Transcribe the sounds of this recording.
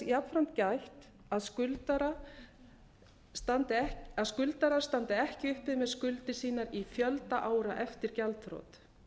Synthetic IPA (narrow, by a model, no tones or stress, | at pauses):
jat̪fɾan̥t̪cajht̪ | aðskʏlt̪aɾa | st̪ant̪ɪɛaðskʏlt̪aɾaɾ̥st̪ant̪ɪɛhcɪʏhpɪðmɛðskʏlt̪ɪsiːnaɾifjœlt̪aʔaːwɾaʔɛft̪ɪɾ̥calt̪fɾo̰ːt̪